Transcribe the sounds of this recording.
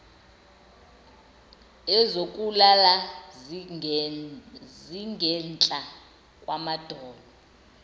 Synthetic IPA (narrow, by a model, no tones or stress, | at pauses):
ɛzokʼulala | ziŋɡʱɛnt͡ɬʼa | kʼwamad̥ʱɔːlɔ